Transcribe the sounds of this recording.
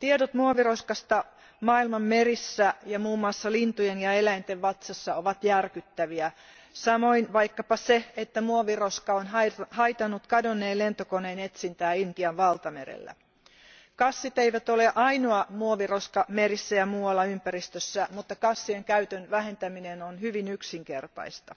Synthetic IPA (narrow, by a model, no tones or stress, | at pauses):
t̪iedot̪muoʋiroskɑst̪ɑ | mɑːilmɑmːerisːæjɑmuːmːuɑsːɑlint̪ujenjɑelæint̪eʋʋɑt̪sɑsːɑo̞ʋɑt̪jærkyt̪ːæʋiæ | sɑmo̞inʋɑjkːɑpɑseet̪ːæmuoʋiroskɑonhɑit̪ɑnːut̪kɑdonːeːlent̪okoneːnet̪sint̪æːint̪iɑʋʋɑlt̪ɑmḛɾḛlːæ̰ | kɑsːit̪eiʋæt̪oleʔɑinoɑmuoʋiroskɑmeɾisːæjɑmuːɑlːɑympæɾist̪øsːæmut̪ːɑkɑsːieŋkæyt̪ønʋæɦent̪æminenonhyʋinyksiŋkert̪ɑ̰ist̪ɑ